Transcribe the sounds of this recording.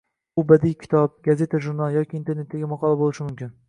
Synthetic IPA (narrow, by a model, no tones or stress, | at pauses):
ʊbad̪ijkʲʰɪ̥t̪ʰɒp̚ɡaze̞t̪ʰaʒuɾnalˠjɒkʲiːnt̪ʰeɾnet̪̚ːaɡʲamɑqʰɒlˠabolˠɪʃɪmʊmkʲɪn